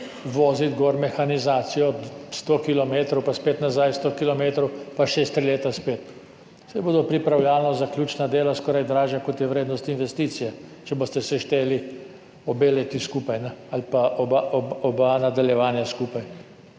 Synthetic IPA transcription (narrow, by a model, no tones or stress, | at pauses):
ʋoːzit̪ɡɔːɾmɛxanizaːt̪sijɔst̪oːkilɔmeːt̪ɾowpaspeːt̪nazajst̪okilɔmeːt̪ɾɔwpaʃest̪ɾileːt̪aspeːt̪ | sajboːd̪ɔpɾipɾawljaːlnɔzaklʲjuːt͡ʃnad̪eːlaskɔːɾajd̪ɾaːʒjakɔt̪jɛʋɾeːd̪nɔst̪inʋɛst̪iːt̪sijɛt͡ʃɛboːst̪ɛsɛʃt̪eːli | ɔbeːleːt̪iskuːpajnɛalpaʔɔbaɔbanad̪aljɛʋaːnjaskuːpaj